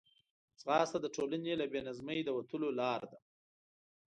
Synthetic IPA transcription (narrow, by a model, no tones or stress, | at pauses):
t͡sɣɑst̪ad̪əʈʰolanelabenazməjd̪əwat̪əlolɑɾd̪a